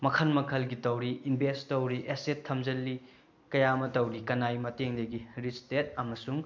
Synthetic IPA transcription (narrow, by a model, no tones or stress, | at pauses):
mɐkʰɐlmɐkʰɐlɡitɐwɾiinbʱestɐwɾiʔesetʰːɐmd͡ʒɐlːi | kɐjamɐtɐwɾikɐnajmɐteŋdɐɡiɾit͡ʃtet̚ɐmɐsuŋ